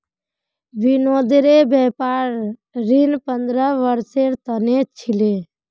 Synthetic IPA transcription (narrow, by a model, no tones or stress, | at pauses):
binod̪ɾebɛpaɾɾinpənd̪ɾəʋəɾseɾt̪ənet͡ʃʰile